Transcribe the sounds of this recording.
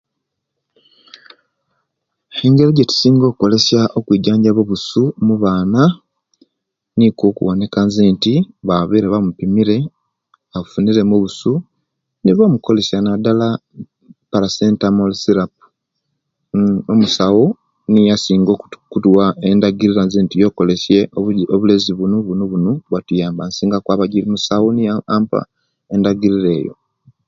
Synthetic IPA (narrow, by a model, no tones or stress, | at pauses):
e̞ŋɡe̞ɾeɟeti̥siːŋɡo̞ːkuko̞le̞sjaʔo̞kwiːɟaːɲɟaβoβusumuβaːna | nikokṵwone̞kanzeːntiβaβiɾeβamupimiɾe̞ | βaβufuniɾe̞muβusu | niβamuko̞le̞sjanadala | paɾaseːntamolsiɾapu̥ | omusawu | nijasiːŋɡokutuwaendaɡiɾiɾanzeːntijo̞ːko̞lesje̞oβuleziβunoβunoβunoβwatujaːmbansiːŋɡakwaːβaɟiɾimusawunijaampa̰ | e̞ndaɡiɾiɾe̞ːjo̞̰